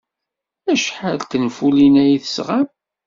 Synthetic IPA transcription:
æʃħalt̪ənfulinæjiθə̥sʁam

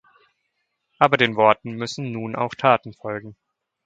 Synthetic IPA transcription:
ʔaːbɐdeːnvɔɐtn̩mʏsn̩nuːnʔa̰ʊxtʰaːtn̩fɔlɡŋ̩

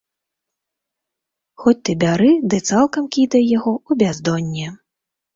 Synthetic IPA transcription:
xɔt͡sʲt̪ɨbʲaɾɨd̪ɨt̪salˠkɐmkʲid̪ɐjjaɣɔubʲazd̪ɔnʲːɛ

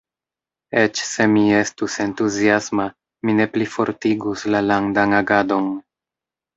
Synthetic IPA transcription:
e̞t͡ʃse̞mie̞stuse̞ntuziasma | mine̞plifo̞ɾtiɡuslalaŋdaŋaɡado̞n

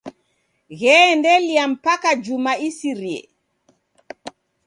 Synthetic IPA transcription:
ɣɛːndɛlijam̩pakad͡ʒumaisiɾiɛ̰

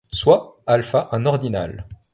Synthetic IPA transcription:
swaalfaʔɛ̃nɔʁd̪ina̰l

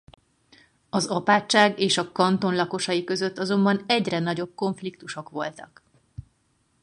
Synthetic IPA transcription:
ɒzɒpaːt͡ʃːaːɡeːʃɒkɒnt̪o̞nlɒko̞ʃɒjikø̞zø̞t̪ːɒzo̞mbɒnɛɟrɛnɒɟo̞b̚ko̞ɱflik̚t̪uʃo̞kʋo̞lt̪ɒk

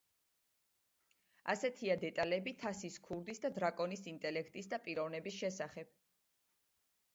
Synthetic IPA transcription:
a̰sɛt̪ʰiad̪ɛt̪ʼalɛbit̪ʰasiskʰuɾd̪isd̪ad̪ɾakʼɔnisint̪ʼɛlɛkʰt̪ʼisd̪apʼiɾɔvnɛbisʃɛsaχɛb̥̚

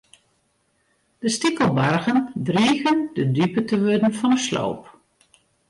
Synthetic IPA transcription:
d̥əstikəlˠbarɣəndriɣəndədypətəʋødn̩fɔnəslo̰wp

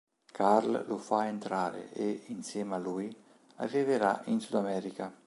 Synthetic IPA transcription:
kʰaɾllufaent̪ɾaːɾḛeinsjɛːmaluːj | a̰rːiveɾainsud̪amɛːɾika

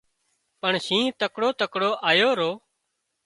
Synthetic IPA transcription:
pəɳsĩːt̪əkɽoːt̪əkɽoːʔaːjoːɾoː

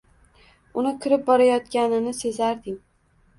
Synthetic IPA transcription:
ʊnɪkʲʰɪɾɪp̚bɒɾajɒt̪kʲanɪnɪse̞zaɾd̪ɪŋ

